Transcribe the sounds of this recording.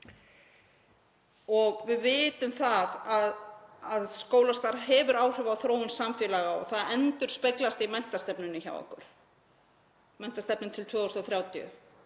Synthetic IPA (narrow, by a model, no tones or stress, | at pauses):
ɔɣvɪðvɪːt̪ʏmθaðaðaðskoːwlast̪aɾɦɛvʏɾaːwr̥ʏvawθɾoːwʏnsamfjɛːlaɣaɔ̰ɣθaðɛnt̪ʏɾ̥spejklast̪imɛn̥t̪ast̪ɛpnʏnːʏça̰wɔ̰hkʏ̰ɾ̥ | mɛn̥t̪ast̪ɛpnɪnt̪ʰɪlt̪ʰvœːost̪ɔθɾjaːwt̪jʏ̰